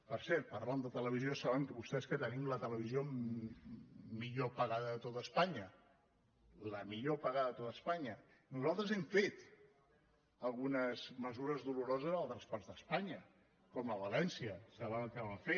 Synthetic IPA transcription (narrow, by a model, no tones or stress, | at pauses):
pəɾsɛɾt̪̚pəɾland̪ət̪ələβ̞iziosaβəmkəβust̪ɛskət̪ənimlət̪ələβ̞izio | miʎopəɣaðəðət̪ot̪əspaɲə | ləmiʎopəɣaðəðət̪ot̪əspaɲə | nuzalˠt̪ɾəzɛɱfet̪ | əlˠɣunəzməzuɾəzðuluɾɔzəzəlˠt̪ɾəspɔɾzd̪əspaɲə | kɔmləβəlɛnsiəsəβənəlˠkɛβaɱfe